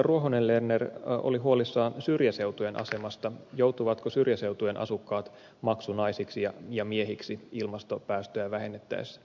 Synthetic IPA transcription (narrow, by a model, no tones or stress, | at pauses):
ruoɦonellenːero̰liɦuolisːɑːnsyrjæse̞wt̪uje̞nʔɑ̰se̞mɑst̪ɑjowt̪uʋɑt̪kosyrjæse̞ut̪ujenʔɑ̰sukːɑːt̪ | mɑksunɑisiksijɑjɑmieɦiksiilmɑst̪o̞pæːst̪øjæʋæhe̞nːet̪ːæ̰isː